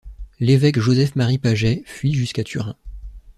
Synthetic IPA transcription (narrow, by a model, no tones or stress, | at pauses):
levɛkʒozɛfmaʁipaʒɛfɥiʒyskat̪ʰyʁɛ̰̃